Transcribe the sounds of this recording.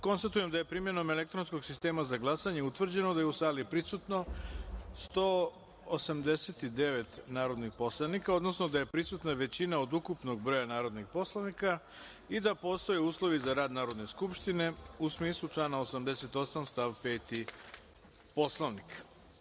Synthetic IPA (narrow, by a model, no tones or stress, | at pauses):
ko̞nst̪at̪uje̞md̪aje̞pɾimje̞nome̞lek̚t̪ɾonsko̞ɡsist̪e̞ːmazaɡlˠasaɲe̞ut̪ʋr̩d͡ʑe̞nod̪ajeusaːlipɾisut̪no̞ | st̪oː | osamd̪e̞set̪id̪e̞ʋe̞t̪naːɾo̞d̪nixpo̞slˠaʋnikao̞d̪nosnod̪aje̞pɾisut̪naʋe̞t͡ɕinaod̪ukupno̞ɡbɾo̞ːjanaːɾo̞d̪nixpo̞slˠoʋnika | id̪apo̞ːst̪o̞jeuːslˠo̞ʋizaɾaːd̪naːɾod̪ne̞skupʃt̪ine̞usmiːslˠut͡ʂlanaosamd̪eset̪o̞samst̪aʋpeːt̪i | po̞slˠoʋnik